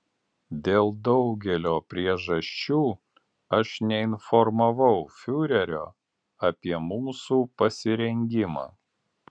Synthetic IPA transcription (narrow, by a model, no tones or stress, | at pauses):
d̪ʲeːlˠd̪ɒʊɡʲɛlʲoːpʲɾʲiɛʒɐʃʲt͡ʃʲuː | ɐʃnʲɛɪnfɔɾmɐʋɐʊfʲʊɾʲɛɾʲoː | ɐpʲiɛmuːsuːpɐsʲɪɾʲɛŋʲɡʲɪmɑ̰ː